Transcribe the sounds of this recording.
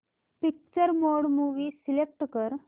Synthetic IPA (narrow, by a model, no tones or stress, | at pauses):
pik̚t͡ɕəɾmoɽmuʋiːsilek̚ʈkəɾ